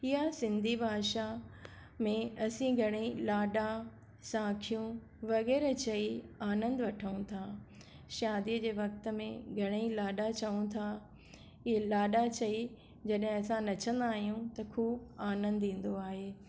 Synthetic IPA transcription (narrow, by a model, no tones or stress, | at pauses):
ɪɦasɪ̃nd̪ʱibʱaːʃa | mẽɐsĩɡʱɐɽ̃eilaːɗa | sãːkʰijũ | ʋɐɣɛːɾt͡ɕɐiaːnə̃nd̪ʋɐʈʰəũt̪ʰa | ʃaːd̪id͡ʑeːʋɐk̚t̪ə̆mḛ̃ɡʱɐɽ̃eilaːɗat͡ɕɐũt̪ʰa | ilaːɗat͡ɕɐi | d͡ʑɐɗɦɪ̃ɐsãnɐt͡ɕʰə̃nd̪aːɦijũt̪ɐkʰuːbaːnə̃nd̪ĩːn̆d̪oaːɦeː